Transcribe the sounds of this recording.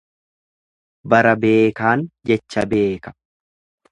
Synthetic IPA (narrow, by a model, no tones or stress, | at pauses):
bɐɾɐbe̞ːkaːnd͡ʒɛt͡ʃːɐbe̞ːkɐ̥